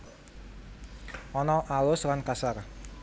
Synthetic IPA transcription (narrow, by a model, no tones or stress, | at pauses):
ɔnɔʔalʊswankasar